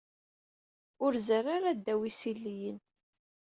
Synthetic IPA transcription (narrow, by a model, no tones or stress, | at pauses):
ʊɾzərːaɾad̪ːæwisilːijən